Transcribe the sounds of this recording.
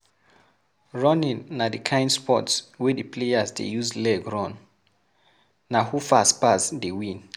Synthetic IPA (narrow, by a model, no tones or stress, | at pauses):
ɹɔ̃nĩnːadikʰãj̃ndspɔtswidəplejasdḛjuslɛɡɹɔ̃n | ahufaspasdiwĩn